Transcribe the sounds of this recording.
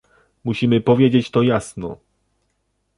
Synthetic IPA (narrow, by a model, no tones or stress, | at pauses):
muɕimɘpɔvʲjed͡ʑet͡ɕt̪ɔjasnɔ̰